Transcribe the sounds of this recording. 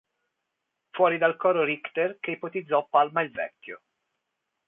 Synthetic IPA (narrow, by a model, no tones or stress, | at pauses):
fwɔːɾid̪alkɔːɾoɾikt̪erkeipot̪id̪zːɔpːalmailvɛ̰kʲːo̰